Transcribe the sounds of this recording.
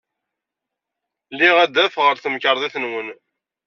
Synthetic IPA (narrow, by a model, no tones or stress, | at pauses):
lːiʁæd̪ːæfʁəɾθəməkəɾˤðˤiθənwən